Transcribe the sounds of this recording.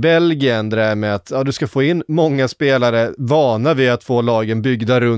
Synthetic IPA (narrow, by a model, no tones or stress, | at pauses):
bɛlɡɪənd̪ɛæɾmɛat̪ʰjɑːd̪ɵskafoːɪnːmɔŋːaspeːlaɾəvɑːnavɪat̪foːlɑːɡənbʏɡd̪aɾɵ